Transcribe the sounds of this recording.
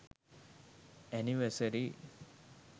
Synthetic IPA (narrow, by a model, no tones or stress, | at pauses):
æniʋəsɐɾi